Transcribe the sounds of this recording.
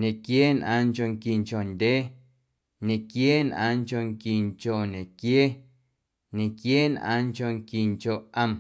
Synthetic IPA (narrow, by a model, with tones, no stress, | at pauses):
ɲẽ˨kjeː˦nʔã̰ː˧ŋt͡ʃo˧ŋki˨ŋt͡ʃo˨ndʲeː˦ | ɲẽ˨kjeː˦nʔã̰ː˧ŋt͡ʃo˧ŋki˨ŋt͡ʃo˨ɲẽ˨kjeː˦ | ɲẽ˨kjeː˦nʔã̰ː˧ŋt͡ʃo˧ŋki˨ŋt͡ʃo˨ʔʔə̃˧˨m